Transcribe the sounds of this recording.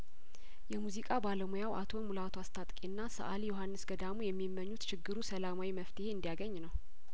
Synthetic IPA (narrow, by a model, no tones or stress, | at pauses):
jɛmuzikʼabaləmojawʔa̰t̪ʰo̞mulat̪ʰoast̪ʰat̪ʼkʼinːasə̰ʔaljohanːɨsɡəd̪amujɛmːimːəɲːut̪t͡ʃɪɡɨɾusəlamawiməft̪ʰeheɨnd̪ijaɡəɲːnəw